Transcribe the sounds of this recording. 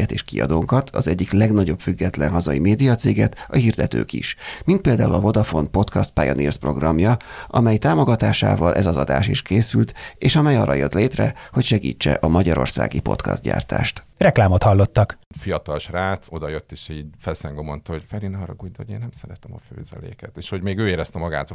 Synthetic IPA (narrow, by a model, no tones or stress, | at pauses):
ɛt̪eːʃkḭɒ̰d̪oːŋkɒt̪ʰɒzɛɟːiklɛɡnɒɟo̞pfyɡːɛt̪lɛnɦɒzɒimeːd̪ijɒt̪seːɡɛt̪ɒhiːrd̪ɛt̪ø̰ːkḭʃmint̪peːld̪aːulɒvo̞d̪ɒfo̞npo̞t̪kɒst̪̚pa̰joniːrspro̞̰ɡrɒmjɒʔɒmɛjt̪aːmo̞ɡɒt̪aːʃa̰ːvɒlʔɛzɒzɒd̪a̰ːʃiʃkeːsylt̪eːʃɒmɛjɒːrːɒjøt̪leːt̪rɛhocʃɛɡḭːt͡ʃːɛʔɒmɒɟɒɾo̞̰rsa̰ːɡipo̞̰t̪kɒ̰zt̪ɟa̰ːrt̪a̰ːʃt̪ | rɛklaːmot̪hɒlːot̪ːɒkfijɒt̪ɒlʃraːso̞d̪ɒjøt̪ːeːʃiːɟfɛlsɛŋɡomont̪ɒɦocfɛɾinɒɾɒɡuːjd̪oeːnːɛmsɛɾɛt̪ɛmɒfø̰ːzɛ̰lḛːkɛt̪eːʃho̞ɟmeːɡøːeːɾɛst̪ɛmɒɡaːt̪r